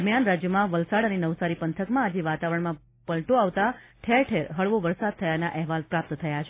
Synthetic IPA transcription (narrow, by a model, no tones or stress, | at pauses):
əɾmjanɾad͡ʒjəmãʋəlsaɽənenəʋsaɾipənt̪ʰəkmãːd͡ʒeʋat̪aʋəɾəɳ̃mã | pəlʈoaʋt̪aʈʰeɾʈʰeɾɦəɭʋoʋəɾsad̪̚t̪ʰəjanaʔɛɦʋalpɾap̚t̪t̪ʰəjat͡ʃʰ